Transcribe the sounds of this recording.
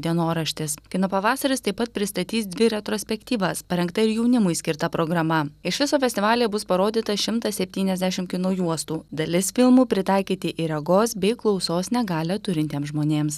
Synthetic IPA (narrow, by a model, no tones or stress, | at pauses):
d̪ʲiɛnoːɾɐʃʲt̪ʲɪskʲɪnoːpɐʋɑːsɐɾʲɪst̪ɐɪpːɐt̪̚pʲɾʲɪst̪ɐt̪ʲiːsd̪ʲʋʲɪɾʲɛt̪ɾoːsʲpʲɛkt̪ʲiːʋɐspɐɾʲɛŋkt̪ɐɪɾjɛʊnʲɪmʊɪsʲkʲɪɾt̪ɐpɾoːɡɾɐmɐɪʃʋʲɪsoːfʲɛsʲt̪ʲɪʋɑːlʲijɛbʊspɐɾoːd̪ʲiːt̪ɐʃʲɪmt̪ɐsʲɛpʲt̪ʲiːnʲɛzʲd̪ʲæʃʲɪmkʲɪnoːjuɔst̪uːd̪ɐlʲɪsfʲɪlˠmuːpʲɾʲɪt̪ɑɪkʲiːt̪ʲɪʔɪɾʲɛɡoːsbʲɛɪklˠɒʊsoːsnʲɛɡɑːlʲɛt̪ʊɾʲɪnʲt̪ʲeːmzʒmoːnʲeːms